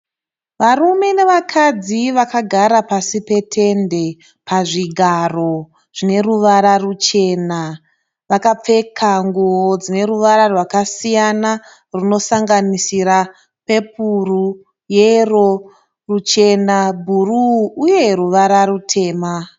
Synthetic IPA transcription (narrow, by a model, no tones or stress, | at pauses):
ʋarume̞ne̞ʋakʰad͡ziʋakaɡʱaɾapasipe̞tʰe̞nde̞ | paʐiɡʱaro̞ | ʐ̥ine̞ruʋaɾarut͡ʃe̞na | ʋakap͡fe̞kʰaŋɡuɦod͡zine̞ɾuʋaɾarwakasijana | runo̞saŋɡanisiɾa | pe̞p̚ʰuru | jero | rut͡ʃe̞nabʱuruːje̞ɾuʋaɾaɾutʰe̞ːma